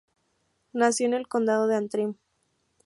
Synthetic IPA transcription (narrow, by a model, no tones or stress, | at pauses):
nasjo̞ene̞lko̞nd̪að̞oðeant̪ɾim